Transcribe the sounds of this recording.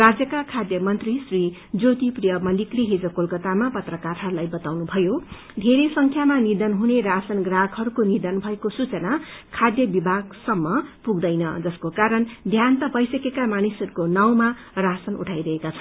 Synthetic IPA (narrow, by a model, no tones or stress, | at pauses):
rad͡zjʌkakʰad̪jʌmʌnt̪risrid͡zot̪iprijʌmʌlikɾiɦed͡zʌkolkʌt̪amapʌt̪rʌkaɾɦʌɾulajbʌt̪awnubʱʌjo | d̪ʱeɾesʌŋkʰjamanid̪ʌnɦuneɾasʌnɡraɡɦʌɾukonid̪ʌnbʱʌekosut͡sʌnakʰad̪jʌbibʱaɡsʌmːʌpuɡd̪ʌjnʌd͡zʌskokaɾʌnd̪ʱjant̪ʌbʌjsʌkekamanisʌɾukonaw̃ma | rasʌnṵʈʰajɾʌɦekat͡sʰʌn